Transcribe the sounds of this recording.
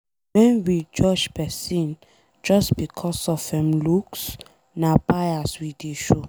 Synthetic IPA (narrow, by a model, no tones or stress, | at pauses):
wɛ̃nwid͡ʒɔd͡ʒpɛsĩn | d͡ʒɔsbikʰɔsɔfɛ̃mluks | napajaswideʃo